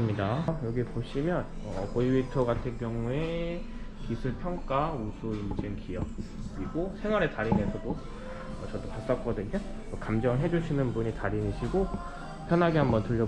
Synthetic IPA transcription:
ɯmɲidajʌɡipoɕʰimjʌn | ʌkoiwitʰʌɡatʰɯnkjʌŋue̞ | kisʰuɭpʰjʌŋk͈ausʰuind͡ʑɯŋkijʌp̚ | iɡosʰe̞ŋwaɾetaɾinesʰʌdo | ʌt͡ɕʌdopas͈ʌk͈ʌdɯɲo | okamd͡ʑʌŋɦe̞d͡ʑuɕʰinɯnbuɲitaɾiniɕʰiɡo | pʰjʌnɦaɡehambʌntʰuʎːʌ

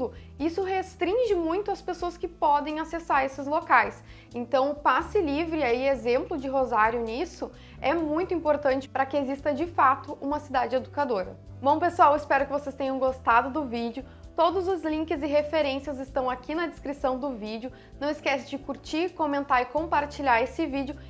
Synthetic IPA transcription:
ʊ | isʊɦest̪ɾĩʒɪmũj̃t̪ʊɐspesoɐskɪpɔd̪ẽj̃asesaɾesɪzlokajs | ẽnt̪ɐ̃w̃ʊpasɪlivɾɪaiezẽmplʊd͡ʒɪɦozaɾjʊnisʊ | ɛmũj̃t̪ʊĩmpoɾt̪ɐ̃nt͡ʃɪ̥pɾɐkɪezist̪ɐd͡ʒɪfat̪ʊʔũmɐsid̪ad͡ʒɪed̪ukad̪oɾɐ̰ | mɐ̃w̃pesuawɪspɛɾʊkɪvosest̪ẽɲ̃ɐ̃w̃ɡost̪ad̪ʊd̪ʊvid͡ʒɪʊ | t̪od̪ʊzʊzlĩkɪzɪɦefeɾẽsiɐzɪst̪ɐ̃w̃akʰinɐd̪ɪskɾisɐ̃w̃d̪ʊvid͡ʒɪʊ | nɐ̃w̃ɪskɛsɪd͡ʒɪkuɾt͡ʃiɾkomẽnt̪aɾɪkõmpaɾt͡ʃiʎaɾesɪvid͡ʒɪʊ

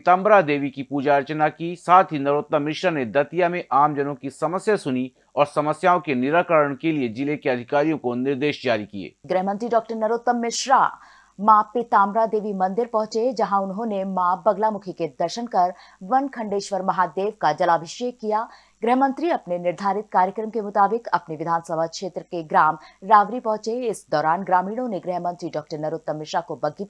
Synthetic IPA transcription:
t̪ãːmɾad̪eːʋikipuːd͡ʒaːɾt͡ʃənakisaːt̪ʰɦinɐɾoːt̪əmːɪʃɾaned̪ɐt̪ijamẽʔaːmd͡ʒɐnõkisɐməsjasʊni | ɔːɾsɐməsjaːõkenɪɾaːkəɾəɽ̃kelied͡ʒɪlekeɐd̪ʱɪkaːɾijõkonɪɾd̪eːʃd͡ʒaːɾikiḛːɡɾɛɦmə̃nt̪ɾiɖɔːk̚ʈəɾnɐɾoːt̪ːəmːɪʃɾa̰ | maːpɪt̪aːmɾad̪eːʋimɐ̃nd̪ɪɾpɐ̃ɦʊ̃t͡ʃed͡ʒɐɦãʊnɦõnemãːbɐɡlamʊkʰiked̪ɐɾʃənkɐɾ | ʋɐnkʰɐ̃ɳɖeːʃʋəɾmɐɦaːd̪eːʋkad͡ʒɐlaːbʱɪʃekijaː | ɡɾɛɦmə̃nt̪ɾiɐpnenɪɾd̪ʱaːɾɪt̪̚kaːɾjəkɾəmkemʊt̪aːbɪkɐ̰pneʋɪd̪ʱaːnsəbʱakʃeːt̪ɾəkeɡɾaːmɾaːʋɾipɐ̃ɦʊ̃t͡ʃeɪsd̪ɔːɾaːnɡɾaːmiːɽ̃õneɡɾɛɦmə̃nt̪ɾiɖɔːk̚ʈəɾnɐɾoːt̪̚ːɐmːɪʃɾakobɐɡi

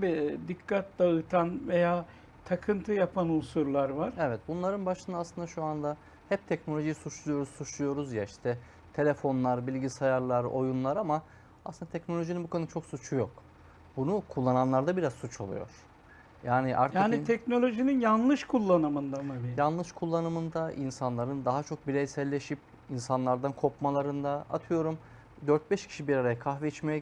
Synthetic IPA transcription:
bid̪ikʰːat̪̚d̪aɯt̪ʰanvejaː | t̪ʰakʰɯnt̪ʰɯjapʰanusuɾlˠaɾvaɾevɛt̪̚bunlˠaɾɯnbaʃɯnd̪aːslˠɯnd̪aʃuand̪a | hɛp̚t̪ʰɛcnolʲo̞ʒijisut͡ʃlˠujo̞ɾussut͡ʃlˠujo̞ɾuzjaiʃt̪ʰɛ | t̪ʰe̞lʲefo̞nlˠaɾbilʲɟisajaɾlˠaɾo̞̰junlˠaɾama | asɯnd̪at̪ʰɛcnolʲo̞ʒininbukʰonɯt͡ʃʰo̞ksut͡ʃʰujok | bunukʰulˠːananlˠaɾd̪abiɾazsut͡ʃʰo̞lˠṵjo̞̰ɾ̥ | jaːniʔa̰ɾt̪jaːnit̪ʰɛcno̞lʲo̞ʒininjanlˠɯʃkʰulˠːanɯmɯnd̪amabijanlˠɯʃkʰulˠːanɯmɯnd̪aʔinsanlˠaɾɯnd̪aɦat͡ʃʰo̞k̚biɾejsɛlʲːe̞ʃip̚ | insanlˠaɾd̪ankʰo̞pmalˠaɾɯnd̪aa̰t̪ʰɯjo̞ɾum | d̪øɾt̪̚bɛʃcʰi̥ʃibiɾaɾajakʰaxvɛit͡ʃmejɛ

